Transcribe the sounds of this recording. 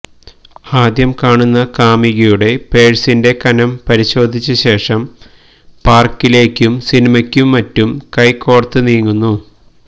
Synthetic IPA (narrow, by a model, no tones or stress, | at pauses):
aːd̪jɐmkaːɳunːɐkaːmiɣɐjuɽe̞pe̞ːɻsinde̞kɐnɐmpɐɾiɕo̞ːd̪ʱit͡ɕːɨɕe̞ːʂɐm | paːrkːile̞ːkʲːumsinimɐkʲːumːɐtːumkɐjkːoːɽɐt̪ːɨniːŋːunːu